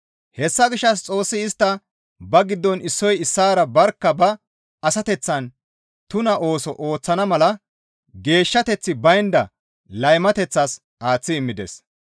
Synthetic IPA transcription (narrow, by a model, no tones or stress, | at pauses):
hɛsːɐɡɪʃːɐs̬t͡sʼo̞ːsːɪɪst̪ːɐ | bɐɡɪd̪ːɔnɪsːɔjɪsːaːɾɐbɐɾkːɐbɐː | sɐt̪ɛt͡sːɐn | t̪ʊnɐʔo̞ːsɔʔoːt͡sːɐnɐmɐlɐ | ɡe̞ːʃːɐt̪ɛt͡sːɪbɐjnd̪ɐ | lɐjmɐt̪ɛt͡sːɐs | aːt͡sːɪːmːɪd̪ɛ̰s